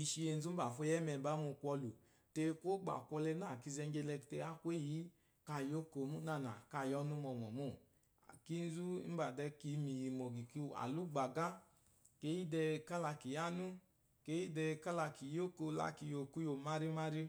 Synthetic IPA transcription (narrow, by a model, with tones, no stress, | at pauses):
i˧ʃi˧je˧n˦zu˦ba˨fo˧˦jɛ˦mɛ˨ba˦mu˧kʷɔ˧lu˨ | te˧ko˦ɡ͡ba̰˨kʷɔ˧lɛ˧na˦˨ki˧zɛ˧ŋ˦ɡe˧lɛ˧kte˧a˦kʷe˦˨ji˦ | ka˧˨jo˦ko˧mu˦na˦˧˨na˨ka˧˨jɔ˧˦nu˦mɔ˧mɔ̰˨mṵ˦˨ | ki˦n̩˦zu˦m̩˦ba˨dɛ˧ki˧mi˨ji˧mo˨ɡi˨ki˧a̰˨lu˦ɡ͡ba˨ɡa˦ | ke˦ji˦dɛ˧ka˦la˧ki˨ja˦nu˦ | ke˦ji˦dɛ˧ka˦la˧ki˨jo˦ko˧la̰˦ki˧jo˧ku˦jo˧ma˦ɾi˦ma˦ɾi˦